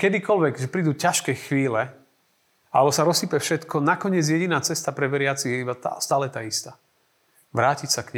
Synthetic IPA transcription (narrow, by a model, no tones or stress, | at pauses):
kɛd̪ikɔlʋɛɡʒɛpɾiːd̪uːcaʃkɛːxʋiːlɛ | alɛbɔsaɾɔsiːpɛfʃɛt̪kɔnakɔɲɪɛd͡zjɛɟinaːt͡sɛst̪apɾɛbɛɾɪat͡sijɛibat̪a̰st̪aːlɛt̪aːist̪aː | ʋɾaːcicsakɲɛ